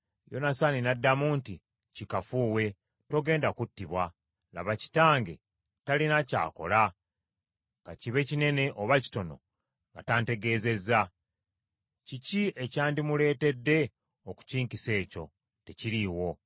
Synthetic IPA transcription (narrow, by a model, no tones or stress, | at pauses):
jo̞̰nasaninadːamuːnti | cikafuːwe̞ | to̞ɡe̞ːndakutːiβwa | la̰βaci̥taːŋɡe̞̰ | talinaca̰ːko̞̰la | kɡa̰ciβe̞cine̞ne̞ʔoβaci̥to̞no̞̰ | ŋɡataːnte̞ɡe̞ːze̞za | cicie̞caːndimule̞ːte̞dːe̞ | oku̥ciːŋkise̞ːco̞ | te̞ciɾiwo̞